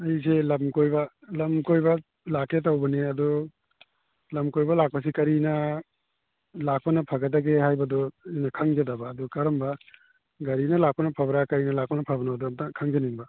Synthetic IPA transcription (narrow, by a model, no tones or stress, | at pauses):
ɐjselɐmkojbɐ | lɐmkojbɐ | laketawbɐneɐd̪ɔ | lɐmkojbɐlak̚pɐsikɐɾinɐ | lak̚pɐnɐpʰɐɡɐdaɡeɦajbɐdɔijnɐkʰɐŋd͡ʒɐdabɐːdɔkɐɾɐmbɐ | ɡɐɾinɐlak̚pɐnɐpʰɐbɾakɐɾinɐlak̚pɐnɐpʰɐbɐnɐɐdɔɐkʰɐŋd͡ʒɐniŋbɐ